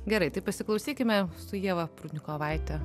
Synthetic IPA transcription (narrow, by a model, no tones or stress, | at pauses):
ɡʲɛɾɐɪt̪ɐɪpɐsʲɪklˠɐʊsʲiːkʲɪmʲɛsʊjiɛʋɐpɾunʲɪkoːʋɐɪt̪ʲɛ